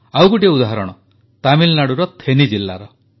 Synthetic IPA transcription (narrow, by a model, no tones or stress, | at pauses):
awɡuʈieud̪aɦɾɔɽ̃ɔ | t̪amilnaɽuɾɔt̪ʰenid͡ʒilːa̰ɾɔ